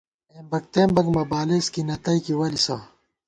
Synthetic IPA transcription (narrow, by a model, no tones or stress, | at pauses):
eːmbɐk̚t̪eːmbɐɡmɐbaːleskinɐt̪ɐikiwɐlisa